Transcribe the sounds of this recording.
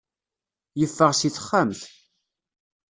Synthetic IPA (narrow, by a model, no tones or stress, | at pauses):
jəfːəʁsiθə̥χːamθ